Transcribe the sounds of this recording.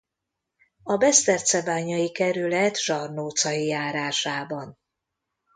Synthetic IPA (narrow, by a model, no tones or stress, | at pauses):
ɒbɛst̪ɛrt̪sɛbaːɲɒjikɛɾylɛt̪ʒɒrnoːt̪sɒjijaːɾaːʃaːbɒn